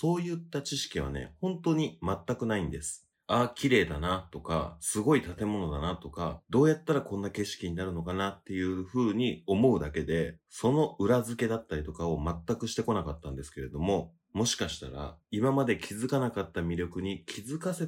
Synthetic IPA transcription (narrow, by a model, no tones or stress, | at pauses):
so̞ːjɯ̟t̪ːat͡ɕiɕi̥kʲiβa̰ne̞̰hõ̞nt̪o̞ːɲ̟imat̪ːakɯ̟naĩnd̪e̞sɨ̥ | aːkʲiɾe̞ːd̪anat̪o̞ka̰sɨɡo̞it̪at̪e̞mo̞no̞d̪anat̪o̞ka̰d̪o̞ːjat̪ːaɾakõ̞nːake̞ɕi̥kʲiɲ̟inaɾɯ̟no̞kanat̪ːe̞jɯ̟ːɸɯ̟ːɲ̟io̞mo̞ɯ̟d̪ake̞d̪e̞so̞no̞ʔɯ̟ɾazɨke̞d̪at̪ːaɾʲit̪o̞kao̞mat̪ːakɯ̟ɕi̥t̪e̞ko̞nakat̪ːãnd̪e̞sɨ̥ke̞ɾe̞d̪o̞mo̞ | mo̞ɕi̥kaɕi̥t̪a̰ɾa̰imamad̪e̞kʲʰizɨkanakat̪ːamʲiɾʲjo̞kɯ̟ɲ̟ikʲʰizɨkase̞